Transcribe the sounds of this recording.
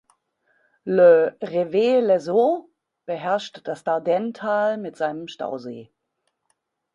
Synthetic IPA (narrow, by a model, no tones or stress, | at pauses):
ləʁeveːlɛzo | b̥əɦɛɐʃtd̥asd̥adɛntʰaːlmɪtz̥aɪnəmʃta̰ʊzḛː